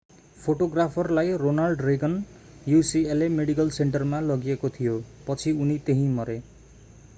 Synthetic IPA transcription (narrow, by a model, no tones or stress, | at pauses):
pʰoʈoɡrapʰʌrlajronarɖreɡʌn | jusielemeɽikʌlseɳʈʌrmalʌɡijekot̪ʰijopʌt͡sʰiunit̪eɦĩmʌɾe